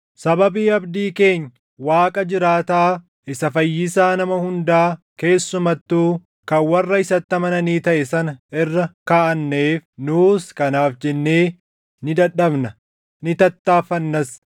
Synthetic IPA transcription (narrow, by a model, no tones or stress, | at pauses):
sɐbɐbiːɐbd̪iːke̞ːɲːɐ | waːkʼɐd͡ʒɪɾaːt̪aː | ʔɪsɐfɐjːɪsaːnɐmɐhʊnd̪aːke̞ːsːʊmɐt̪ːuː | kɐnwɐrːɐɪsɐt̪ːɐmɐnɐniːt̪ɐʔɛsɐnɪrːɐkaːʔɐnːeːfnuːskɐnaːfd͡ʒɛnːeː | nɪd̪ɐᶑɐbnɐ | nɪt̪ɐt̪ːaːfɐnːɐs